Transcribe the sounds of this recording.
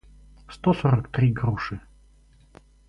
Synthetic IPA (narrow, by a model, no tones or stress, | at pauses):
st̪osoɾəkt̪ɾʲiɡɾuʂɨ